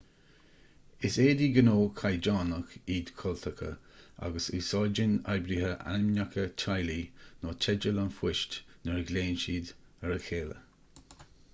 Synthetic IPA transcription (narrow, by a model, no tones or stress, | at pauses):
ɪseːdiːɡənoːkʰajd͡ʒaːnəkiːd̪kʰɔlt̪ʰəkʰə̰a̰ɡəsuːsɑd͡ʒɪnajbɾihəʔa̰nɪmnakʰətʰajlinoːt͡ʃʰɛd͡ʒəlanfwɪʃtnəɹəɡleːnʃiːd̪əɹəkʰeːlə̰